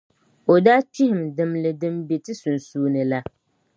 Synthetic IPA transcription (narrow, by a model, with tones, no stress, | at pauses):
o˨daː˦t͡ʃi˦hɪ˨mdɨ˨mlɨ˨dɨ˦mbe˨tɨ˦su˨nsuː˦nɨ˨la˦